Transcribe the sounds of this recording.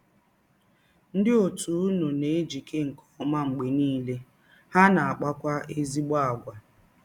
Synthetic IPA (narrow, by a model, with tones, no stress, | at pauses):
n̩˦dɪ˦o˨tu˨u˦nu˨ne˨e˦d͡ʒi˨kʰe˦ŋ̩˨kʰɔ˦ma˦ŋ͡m̩˨ɡ͡be˨niː˦le˦ | ha˦na˨a˨k͡pa˦kʷa˦e˦zi˦ɡ͡ba˦a˨ɡʷa˨